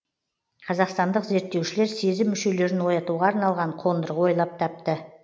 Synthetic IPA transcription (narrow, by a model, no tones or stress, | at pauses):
qʰɑzɑqst̪ɑnd̪əqze̞ɾt̪ːe̞wʃɪle̞ɾse̞zɪmːʏʃe̞le̞ɾɪnwo̞jɑt̪uʁɑːɾnɑlˠʁɑɴqʰo̞nd̪əɾəqwo̞jlˠɑp̚t̪ʰɑp̚t̪ə